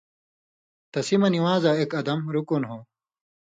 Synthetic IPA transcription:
t̪ɐsimɐniwaːzaekɐd̪ɐmɾukunɦoː

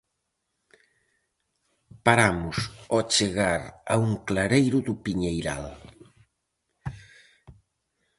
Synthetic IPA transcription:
paɾamʊsɔt͡ʃeɣaɾa̰uŋklaɾejɾʊðʊpiɲejɾa̰l

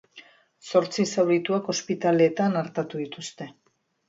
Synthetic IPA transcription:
so̞ɾt͡sisawɾit̪uako̞spit̪ale̞ːt̪anaɾt̪at̪uðit̪ust̪e̞

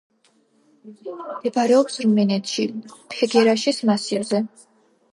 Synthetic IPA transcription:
ɛbaɾɛɔpsɾmɛnɛt̪ʰʃipʰɛɡɛɾaʃismasiɾzɛ

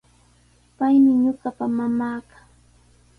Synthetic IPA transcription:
pajmɪɲʊɢɑpamamaːkḁ

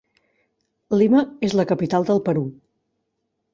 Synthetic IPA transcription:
liməezləkəpit̪alˠd̪əlˠpəɾu

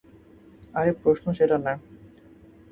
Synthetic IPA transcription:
aɾek̚pɾoʃnoʃeʈana

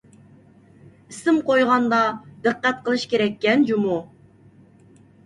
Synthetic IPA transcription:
ɪsɪmqojʁɑnd̪ɑd̪ɨqːæt̪̚qəlˠɨʃkʲeɾɛkʲːɛnd͡ʒumu

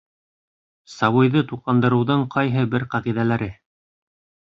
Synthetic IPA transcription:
sɑβɤ̆jðɤt̪uqɑnd̪ɤ̆ɾɤ̆wðɤɴqʰɑjɦɤbɘɾqɑʁiðælæɾɘ

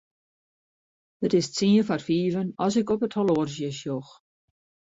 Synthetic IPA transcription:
ətɪstt͡siəfarfiːvənɔsɪkɔpəthɔloːrzjəsjox

